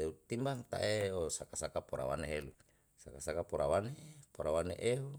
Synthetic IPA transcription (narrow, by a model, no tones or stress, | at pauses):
eut̪imbaŋt̪a̰ʔeosakasakapoɾa̰wa̰neɦelu | sakasakapoɾawanepoɾawaneʔeɦu